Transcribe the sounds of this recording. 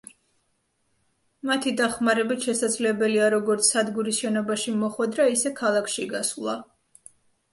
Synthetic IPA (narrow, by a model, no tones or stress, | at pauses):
mat̪ʰid̪aχmaɾɛbit̪ʃɛsad̪zlɛbɛliaɾɔɡɔɾt̪sʰsːad̪ɡuɾisʃɛnɔbaʃimɔχwɛd̪ɾaisɛkʰalˠakʰʃiɡaslˠa